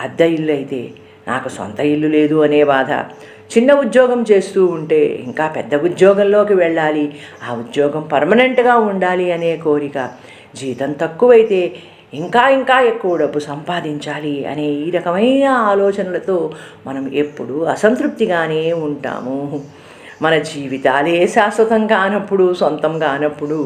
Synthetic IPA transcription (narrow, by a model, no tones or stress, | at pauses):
ɐd̪ːɐilːɐjt̪e̞̰ː | nʔa̰ːkusɐ̰nt̪ɐilːule̞ːd̪uɐne̞ːʋaːd̪ʱɐ̰ | t͡ʃinːɐud̪jɔːɡɐmt͡ʃe̞ːst̪uːuɳʈe̞ːḭŋkaːpɛd̪ːɐud̪jɔːɡɐnlo̞ːkiʋɛɭːaːliaːud̪jɔːɡɐmpɐɾmɐne̞ɳʈɡaːuɳɖaːliɐne̞ːkoːɾikɐ | d͡ʒiːt̪ɐnt̪ɐkːuʋɐjit̪e̞ː | iŋkaːiŋkaːekːuʋɐɖɐbːusɐmpaːd̪iɲt͡ʃaːliɐ̰ne̞ːiːɾɐkɐmɐjnɐaːlɔːt͡ʃɐnɐlɐt̪o̞ː | mɐnɐmḛpːuɽuɐsɐnt̪ɾup̚t̪iɡaːneːuɳʈa̰ːmu | mɐnɐd͡ʒiːʋit̪aːleːʃaːsʋɐt̪ɐŋkaːnɐpːuɽusɐnt̪ɐmkaːnɐpːuɽu